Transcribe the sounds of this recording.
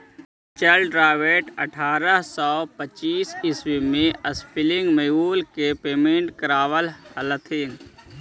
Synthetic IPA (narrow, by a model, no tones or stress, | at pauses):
t͡ʃəlɖɾaːʋeːʈə̰ʈʰaːɾəɦsɔːpət͡ʃiːsɪswimẽəspʰɪlɪ̃ŋɡməuːlkepeːmẽːɳʈkəɾaːʋələlət̪ʰɪŋɡ